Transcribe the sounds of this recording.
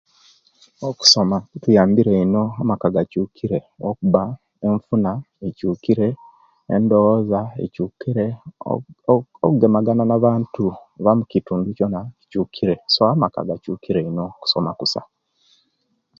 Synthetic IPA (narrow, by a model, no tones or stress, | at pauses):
oku̥somatujaːmbiɾe̞ino̞amakaɡacuːkʰiɾe̞ | okuβa | eɱfuna | ecuːkiɾe̞̰ː | ndo̞ozaḛcukiɾḛ | okuɡe̞maɡananaβaːntuβamucituːŋɡuco̞nacuːkʰiɾe̞soamaka̰ɡacuːkiɾe̞ino̞ku̥somakusa̰